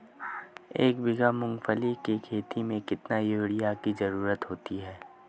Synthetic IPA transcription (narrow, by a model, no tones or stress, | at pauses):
eːkbɪɡamʊ̃ŋɡfəlikekʰeːt̪imẽkɪt̪najoːɽɪjakizɐɾuːɾət̪ɦoːt̪iɦɛː